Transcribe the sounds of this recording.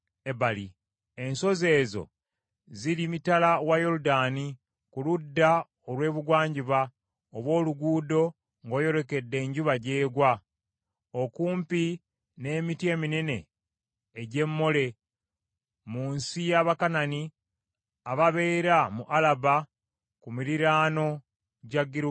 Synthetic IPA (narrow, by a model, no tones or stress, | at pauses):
ebali | e̞nso̞ze̞ːzo̞̰ | ziɾimitalawajo̞ɾudaːni | kuludːa | olwe̞ːβuɡwaːɲɟiβa | oβwo̞ːluɡuːdo̞ | ŋɡo̞ːjo̞ɾe̞ke̞dːe̞ːɲɟuβaɟe̞ːɡwa | okuːmpi | ne̞ːmitje̞ːminene̞ː | ɟe̞mːo̞le̞ | muːnsijaβakanani | aβaβe̞ːɾamuʔalaba | kumiɾiɾaːno̞ | ɟaɡiɾ